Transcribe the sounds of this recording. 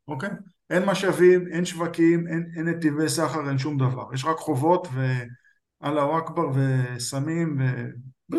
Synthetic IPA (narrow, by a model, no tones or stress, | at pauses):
okej | ʔe̞nmaʃavime̞nʃvakimenenet̪ivesaχaʁenʃ̬umd̪ava̰ʁjeʃ̬ʁakχo̞vo̞tve̞ | alawakbaʁvesamimve